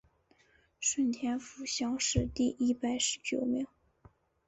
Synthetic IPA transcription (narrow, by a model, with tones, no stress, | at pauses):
ʂwə˥˩nt̪ʰjɛ˥nfu˧˥ɕjɑ˥ŋʂɻ̩˥˧t̪i˥˩ʔi˥pa˨˩ɪʂɻ̩˧˥t͡ɕjo˨˩ʊmi˧˥ŋ